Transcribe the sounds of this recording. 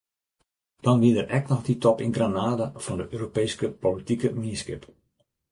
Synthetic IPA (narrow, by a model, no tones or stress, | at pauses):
d̥ɔnʋiədərɛknɔxditɔpɪnɡranaːdafɔndəʔøːropejskəpolitikəminiskɪ̰p